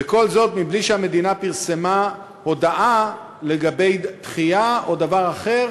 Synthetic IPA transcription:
beko̞lzo̞t̪mibliʃeame̞d̪inapiʁsema | ho̞d̪aʔa | le̞ɡabe̞jt̪χiaʔo̞davaʁaχe̞ʁ

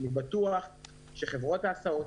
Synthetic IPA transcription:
nibat̪uaχ | ʃeχe̞vʁo̞t̪aːsaot̪

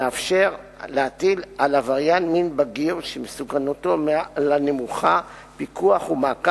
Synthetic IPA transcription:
eafʃeʁ | leatilalavaʁjanminbaɡiʁʃemesukanotomlanemuχa | pikuaχumaːka

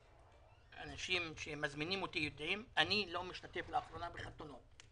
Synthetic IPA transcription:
a̰naʃimʃemazminimo̞t̪ijod̪ʕimanilo̞miʃt̪at̪e̞flaaχɾo̞nabeχat̪ono̞t

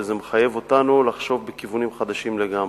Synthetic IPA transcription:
zemeχaje̞vo̞tanulaχʃo̞vbekivunimχad̪aʃimle̞ɡam

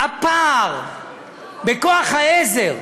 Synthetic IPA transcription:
apaʁ | bekoaχhaezeʁ

